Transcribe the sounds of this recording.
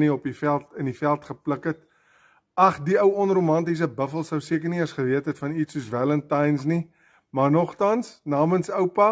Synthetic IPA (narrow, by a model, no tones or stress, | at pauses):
niɔpifælˠtənifælˠtχəpləkət | ɐχdiəwɔnrumɐntis̬əbəfəlˠsəwsiəkərniɐsχəviətɦətfɐnisuəsvæləntɐjns̬ni | mɐrnɔχtɐnsnɑːmənsəwpɐ